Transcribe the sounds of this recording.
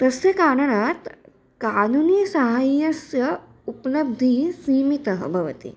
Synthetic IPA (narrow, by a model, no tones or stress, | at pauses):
t̪ɐsekaːɽɐnat̪ | kaːnunisɐɦajːɐsjɐ | uplɐb̚d̪ʱisiːmit̪ɐɦə̰bʱɐʋɐt̪ḭ